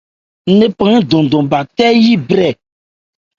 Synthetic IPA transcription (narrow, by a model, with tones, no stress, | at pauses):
ne˦pã˨ŋ˦d̪ɔ̃˨d̪ɔ̃˨ba˨t̪ɛ˦ji˦bɾɛ˨